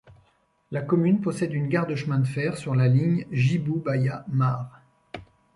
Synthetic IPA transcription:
lakɔmynpɔsɛd̪ynɡaʁd̪əʃmɛ̃d̪əfɛʁsyʁlaliɲʒibubajamaːʁ

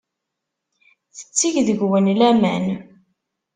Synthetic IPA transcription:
θə̥t͡sːiʝðəɡwənlæmæn

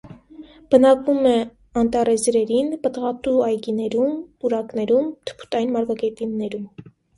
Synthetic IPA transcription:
b̥ənɑkvumɛ | ɑnt̪ɑrɛzɾɛɾinpət̪ʁɑt̪uɑjɡinɛɾumuɾɑknɛɾumt̪ʰə̥pʰu̥t̪ɑinmɑɾvɑɡɛt̪inːɛɾum

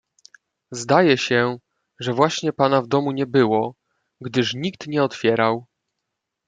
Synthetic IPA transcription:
zd̪ajɛɕɛ | ʐɛvwaɕɲɛpanavd̪ɔmuɲɛbɘwɔ | ɡd̪ɘʂɲik̚t̪ɲɛɔt̪fʲjɛɾaw

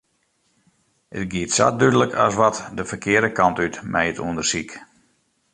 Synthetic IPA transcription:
ə̰tɡiətsa̰t̚dydələkʰasʋɔtdəfərkʰɪədəkʰɑntytmʔɛjətṵəndərsik

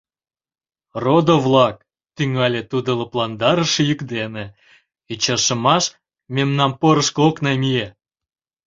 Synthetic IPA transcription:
rod̪ovlɑk̚ | t̪yŋɑlʲet̪ud̪ələplɑnd̪ɑɾə̆ʃəjykd̪ene | it͡ɕɑʃə̆mɑʃ | memnɑmpoɾəʃkoknɑmije

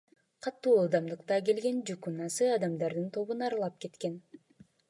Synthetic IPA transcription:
qʰɑt̪ːuːɑlˠd̪ɑmd̪ɯqt̪ɑke̞lɡe̞nd͡ʒukunɑsɯɑd̪ɑmd̪ɑɾd̪ɯnt̪ʰo̞βunɑɾlˠɑp̚ke̞t̪ke̞n

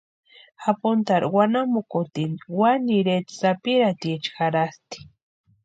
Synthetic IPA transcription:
apʊnt̪aɾwanamʊkʊt̪iniwaniɾet̪sapiɾat̪iet͡ʃxaɾast̪i̥

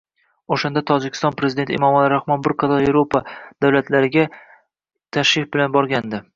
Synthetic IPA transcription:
oʃand̪at̪ʰɒd͡ʒɪkʲʰːɪst̪ɒnpɾezɪd̪et̪ɪḛmɒmalɪɾahmɒnbɪɾqʰɑt̪ɒɾevɾopʰad̪̥awlat̪ʰlaɾɪɡʲa | t̪ʰaʃɾɪfbɪlanbɒɾɡʲand̪ɪ

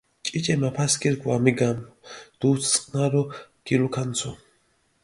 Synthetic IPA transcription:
t͡ʃʼit͡ʃʼɛmapʰaskʼiɾɡʰʼwamiɡamd̪̥ut͡sʰt͡sʼqʼnaɾɔɡ̥ilukʰant͡sʰɔ

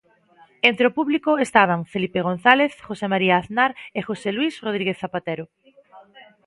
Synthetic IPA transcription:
ent̪ɾeopuβlikoest̪aβ̞aŋfelipeɣ̞õn̟θaleθxosemaɾiaːθnaɾexoselwisroð̞ɾiɣeθːapat̪eɾo

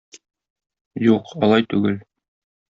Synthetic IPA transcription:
juqɒlˠɑjt̪ʉɡɘl

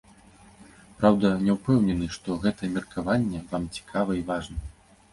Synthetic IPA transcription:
pɾawd̪ɐnʲɛwpɛwnʲɛnɨʂt̪ɔɣɛt̪ɐɛmʲɛrkʰavanʲːɛvamt͡sʲi̥kʰavɐivaʐnɐ

